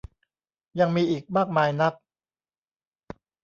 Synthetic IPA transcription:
ja˧ŋmiː˧ʔiː˨˩k̚maː˥˩k̚maː˧jna˦˥k̚

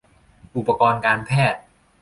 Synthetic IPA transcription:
ʔu˨˩pːa˧kɔː˧nkaː˧npʰɛː˥˩t̪̚

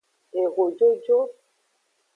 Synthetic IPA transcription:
e˨ɣo˨d͡ʒo˦d͡ʒo˦

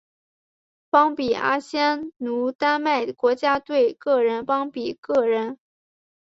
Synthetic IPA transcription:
pɑ˥ŋpi˨˩a̰˥ɕjɛ˥nnu˧˥t̪a˥nma˥˩ɪkwɔ˧˥t͡ɕja˥t̪we˥˩ɪkɤ˥˩ɻə˧˥npɑ˥ŋpi˨˩kɤ˥˩ɻə˧˥n

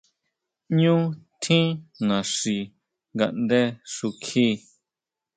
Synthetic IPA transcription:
ɲũ˦t̪ʰĩ˦nã˨ʂi˧ | ŋɡa̰˧ʔnd̪e˦ʂu˧kʰi˦

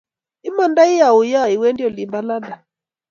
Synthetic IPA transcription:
i˦ma˦nda˦i˦ja˨u˨ja˦˨i˨wɛ˦ndi˦ɔ˨li˨mba˦la˦da˨

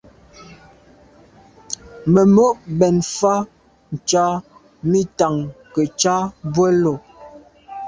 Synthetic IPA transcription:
mə˨mo˦ʔbɛ˨nfa˦ | n̩˨t͡ʃa˦ | mi˦ta˨ŋkə˨t͡ʃa˦bwə˦lo˨

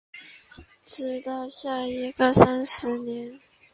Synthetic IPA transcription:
ʈ͡ʂɻ̩˧˥t̪ɑ˥˧ʊɕja˥˩i˧˥ɡə˥˧sa˥nʂɻ̩˧˥njɛ˧˥n

